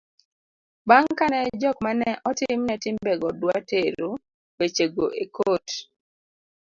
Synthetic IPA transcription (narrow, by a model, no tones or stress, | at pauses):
baŋkanɛd͡ʒɔkmanɛʔɔtɪmnɛtɪmbɛɡɔdwateɾo | wet͡ʃeɡoʔekot